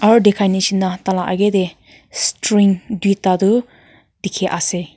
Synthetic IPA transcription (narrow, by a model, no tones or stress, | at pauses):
aɾudekʰajnisinːatalaʔa̰ɡede | stɾiŋdwitːadu | dikʰeʔase